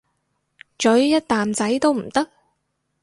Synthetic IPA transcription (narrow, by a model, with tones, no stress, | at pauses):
t͡ʃɵ˨˥ɥjɐ˥t̚t̪aː˨mt͡sɐ˨˥jt̪o˥wm̩˨˩t̪ɐ˥k̚